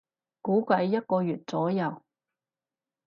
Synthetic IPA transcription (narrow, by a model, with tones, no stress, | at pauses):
kuː˨˥kʷɐ˨˥jːɐ˥t̚kɔː˧jyː˨˩t̚t͡sɔː˨˥jɐ˨˩w